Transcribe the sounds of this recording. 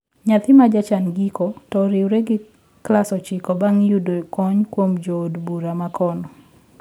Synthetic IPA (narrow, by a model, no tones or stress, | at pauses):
ɲat̪ɪmad͡ʒat͡ʃanɡikotɔɾɪwɾeɡɪ | klasɔt͡ʃɪkɔbaŋjudokɔɲkwomd͡ʒoːdbuɾamakɔnɔ